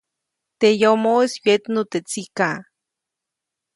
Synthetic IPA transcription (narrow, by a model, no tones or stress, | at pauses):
t̪ejomoeswet̪not̪et͡sika